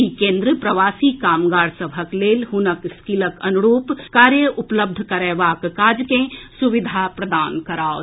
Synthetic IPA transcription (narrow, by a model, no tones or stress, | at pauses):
ikẽːnd̪ɾəpɾɐʋaːsikaːmɡaːɾsəbʱəkleːlɦʊnəkskiləkɐnʊɾuːpkaːɾjəʔʊpləb̚d̪ʱkəɾɛːʋaːkːaːd͡ʒkẽsuʋɪd̪ʱapɾɐd̪aːnkɐɾaːo